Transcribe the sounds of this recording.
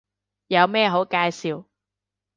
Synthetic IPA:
jɐ˨˧wmɛː˥˧ɦo˨˥wkaː˧jsiː˨w

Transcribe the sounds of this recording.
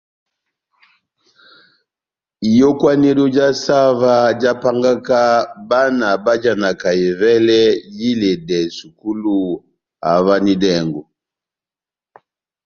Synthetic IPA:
i˨jɔ˦kwa˦nɛ˦lu˦d͡ʒa˦sa˦va˦d͡ʒa˦pa˦ŋɡa˦ka˦ba˦na˨ba˦d͡ʒa˨na˨ka˨ɛ˨vɛ˦lɛ˦ji˦lɛ˨dɛ˨su˨ku˦lu˨ | a̰˨va˦ni˦dɛ˦˨ŋɡɔ˨

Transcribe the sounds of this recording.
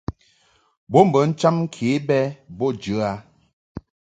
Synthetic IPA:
bo˦m̩˨bə˨˦n̩˦t͡ʃa˦mŋ̩˦kʰe˨˦bɛ˦bɔ˦d͡ʒə˨˦a˨˦

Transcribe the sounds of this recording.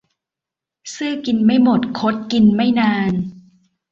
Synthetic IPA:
sɯː˥˩ki˧nma˥˩jmo˨˩t̪̚kʰo˦˥t̪̚ki˧nma˥˩jnaː˧n

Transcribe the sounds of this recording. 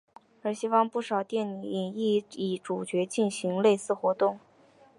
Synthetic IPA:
ə˞˧˥ɕi˥wɑ˥˧ŋpu˥˩ʂɑ˨˩ʊt̪jɛ˥˩ni˨˥i˨˩ŋi˥˩i˨˩ʈ͡ʂu˨˩t͡ɕɥɛ˧˥t͡ɕi˥˩nɕi˧˥ŋle˥˧ɪsɹ̩˥˩xwɔ˧˥t̪ʊ˥˩ŋ

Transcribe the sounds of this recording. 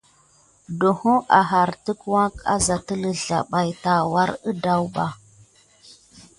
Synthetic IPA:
do˨ho˦ʔa˨ɦa˨ɾtə˦kwa˦ka̰˦za˨tə˦lə˨ɮa̰˨ɓa˨jta˨wa˦ɾə˦da˦wɓa˦

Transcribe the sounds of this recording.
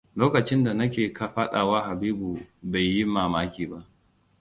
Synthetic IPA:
loː˦kɐ˨t͡ʃɪ˦nda˨nɐ˦kʲeː˨ka˦ɸa˦ɗaː˨waː˦ɦa˨biː˦bu˨ba˨jːi˦maː˨maː˦kʲiː˨ba˦ʔ

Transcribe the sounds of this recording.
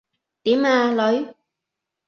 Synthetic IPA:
t̪i˨˦maː˧˩lɔ˨˦j

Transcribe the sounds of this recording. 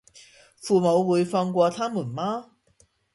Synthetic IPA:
fuː˨˩mo˨˧wwuː˨˥jfɐ˧ŋk̬ʷwɔː˧t̪ʰaː˥mu˨˩nmaː˥

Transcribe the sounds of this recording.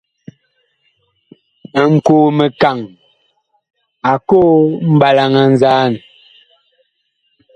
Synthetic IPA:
ə˨ŋ̩˨koː˨me˨ka˨ŋ | a˨koː˦m̩˦ba˨la˨ŋa˨n̩˦zaː˦˨n˨

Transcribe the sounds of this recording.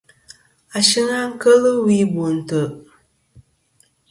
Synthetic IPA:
a˨ʃi˦ŋa˦ŋ̩˦kə˦lɨ˦wi˦bo˨n̩˨tə˨

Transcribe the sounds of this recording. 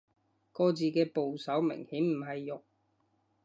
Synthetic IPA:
kɔː˧t͡siː˨kɛː˧po˨wsɐ˨˥wmɪ̰˨˩ŋhiː˨˥m̩˨˩ɦɐ˨jːʊ˨k̚

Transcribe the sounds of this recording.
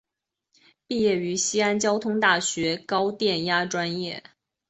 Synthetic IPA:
pi˥˧jɛ˥˩y˧˥ɕi˥a˥nt͡ɕjɑ˥ʊt̪ʰʊ˥ŋt̪a˥˩ɕɥɛ˧˥kɑ˥ʊt̪jɛ˥˩nja˥ʈ͡ʂwa˥njɛ˥˩

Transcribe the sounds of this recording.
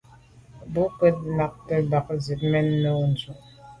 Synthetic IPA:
bu˨˦kwɛ˦t̚na˨k̚tə˦da˨k̚zi˨t̚mɛ˦nːə˦u˦n˨zu˨ʔ

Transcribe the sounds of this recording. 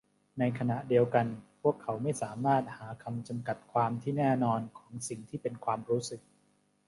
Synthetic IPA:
na˧jkʰa˧na˨˩ʔdi˧əwka˧npʰu˥˩əkʰːa˩˦wma˥˩jsaː˩˦maː˥˩t̪̚haː˩˦kʰa˧mt͡ɕa˧mka˨˩t̪̚kʰwaː˧mt̪ʰiː˥˩nɛː˥˩nɔː˧nkʰɔː˩˦ŋsi˨˩ŋt̪ʰiː˥˩pe˧nkʰwaː˧mɾuː˦˥sɯ˨˩k̚

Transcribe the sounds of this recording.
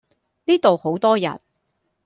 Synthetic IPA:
niː˥t̪o˨who˨˥wt̪ɔː˥jɐ̰˨n

